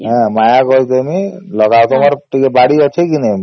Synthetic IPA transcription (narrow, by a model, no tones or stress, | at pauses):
ɦɛ̃majakɔjt̪emilɔɡawt̪ɔmaɾʈikebaɽiɔt͡ʃʰekinɛm